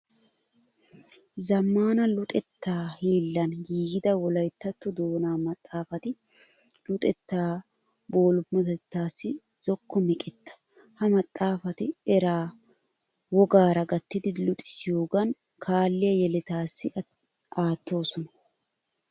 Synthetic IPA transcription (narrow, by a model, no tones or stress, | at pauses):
zɐmːaːnɐlʊt̪ʼɛt̪ːaːheːlːɐnɡiːɡɪd̪ɐwɔlɐjt̪ːɐt̪ːɔd̪oːnaːmɐt̪ʼːaːfɐt̪ɪ | lʊt̪ʼɛt̪ːaː | bo̞ːlʊmːɐt̪ɛt̪ːaːsːɪ | z̥ɔkːɔmɪkʼɛt̪ːɐ̥ | hɐmɐt̪ʼːaːfɐt̪ɪɛɾaː | wɔɡaːɾɐɡɐt̪ːɪd̪ɪlʊt̪ʼɪ̥sɪjoːɡɐn | kʰaːlːɪjɐjɛlɛt̪aːsːɪ | aːt̪ːo̞ːsɔnɐ̥